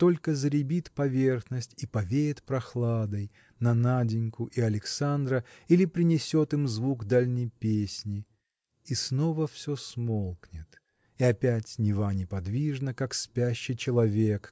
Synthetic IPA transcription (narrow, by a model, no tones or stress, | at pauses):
t̪o̞lʲkəzəɾʲɪbʲit̪pɐvʲerxnəsʲtʲipɐvʲeɪt̪pɾɐxlˠad̪əj | nɐnadʲɪnʲkʊʔiɐlʲɪksand̪ɾəilʲɪpɾʲɪnʲɪsʲo̞t̪ɨmzvukd̪alʲnʲɪjpʲesʲnʲɪ | isno̞vəfsʲosmolˠknʲɪt̪ | iɐpʲætʲnʲɪvanʲɪpɐd̪vʲiʐnəkakspʲæɕːɪjt͡ɕɪlˠɐvʲek